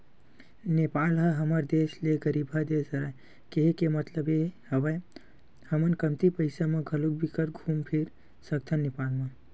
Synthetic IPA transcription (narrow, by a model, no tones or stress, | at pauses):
nepaːlɦəɦəməɾd̪eːsleɡəɾiːbʱad̪eːsəɾa | keɦekemət̪ləbehɐʋə | hɐmənkɐmt̪ipəɪsamãɡʱɐlubikəɾɡʱũːmpʰiɾ | səkt̪ʰanːepaːlmã